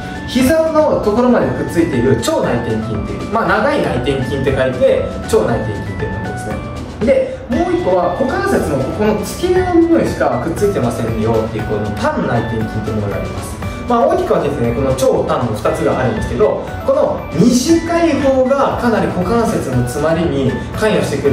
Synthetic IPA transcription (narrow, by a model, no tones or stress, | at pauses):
çizano̞t̪o̞ko̞ɾo̞mad̪ekɯ̟t͡sɨit̪e̞iɾɯ̟t͡ɕo̞ːnait̪ẽ̞ŋkʲĩnt̪e̞̰jɯ̟̰manaɡainait̪ẽ̞ŋkʲĩnt̪e̞kait̪e̞ | t͡ɕo̞ːnait̪ẽ̞ŋkʲĩnt̪emõ̰n̰d̪e̞sɨne̞̰ | d̪e̞ | moːikːo̞βako̞kãɰ̃se̞t͡sɨno̞kko̞no̞t͡sɨ̥kʲiɾenoɯɲʲoiɕi̥kakɯ̟t͡sːɨit̪e̞masẽ̞njo̞t̪ːejɯ̟konot̪abɯ̟nːait̪ẽ̞ŋkʲĩnt̪o̞mooɾa̰ɾʲḛma̰sɨ̥ | maoːkʲi̥kɯ̟βad̪eesneko̞no̞t͡ɕo̞ːt̪ãnːo̞ɸɯ̟̥t̪at͡sɨɡa̰ʔaĩnd̪esɨ̥ke̞d̪o̞ | ko̞no̞ | ɲ̟iʑikaiho̞ːɡakanaɾʲiko̞kãɰ̃se̞t͡sɨno̞t͡sɨmaɾʲiɲ̟i | kãɰ̃jaɕi̥t̪e̞kɯɾ